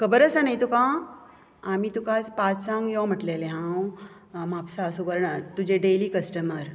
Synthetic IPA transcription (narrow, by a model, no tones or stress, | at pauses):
kəbəɾəsanajt̪ukã | amit̪ukãt͡spat͡ssãŋɡjɔm̤əʈleleɦãw | mapsaəsukəɾɳat̪ud͡ʑeɖeliːkəsʈəməɾ